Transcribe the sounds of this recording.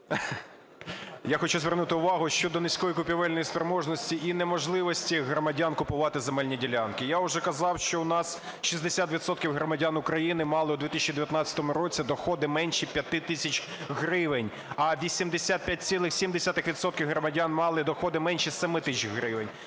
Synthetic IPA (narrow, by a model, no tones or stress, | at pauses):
jaxɔt͡ʃuzʋʲɛrnut̪ɪʊʋɑɦʊʃt͡ʃɔd̪ɔnɪsʲkɔjikʊpʲiʋɛlʲnɔjispɾemɔʒnɔsʲtʲiʔinɛmɔʒlˠɪʋɔsʲtʲiɦɾɔmɐdʲankʊpʊʋɑt̪ɪzemɛlʲnʲidʲilʲankɪjaʊʒɛkɐzɑwʃt͡ʃɔʊnɑs | ʃizd̪esʲat̪ʋʲit̪sɔt̪̚kʲiwɦɾɔmɐdʲanʊkɾɐjinɪmɑlˠɪʊd̪ʋʲit̪ɪsʃʲt͡ʃːid̪eʋjɐt̪nɑt͡sʲːɐ̥t̪ɔmʊɾɔt͡sʲid̪ɔxɔd̪ɪmɛnʲʃipʲjɐt̪ɪt̪ɪsʲɐt͡ʃʲ | ɦɾɪʋɪnʲ | ɐʋʲisʲimd̪esʲat̪̚pʲjat̚ʲt͡sʲsʲilˠɪxsʲimd̪esʲat̪ɪxʋʲit̪sɔt̪̚kʲiwɦɾɔmɐdʲanmɑlˠɪd̪ɔxɔd̪ɪmɛnʲʃisɛmɪt̪ɪt͡ʃɦɾɪʋɪnʲ